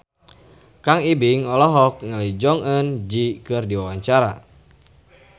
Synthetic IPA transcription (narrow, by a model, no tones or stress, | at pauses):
kaŋibiŋɔlɔɦɔk̚ŋəlid͡ʒɔŋənd͡ʒikɨrdiwawaɲt͡ʃaɾa̰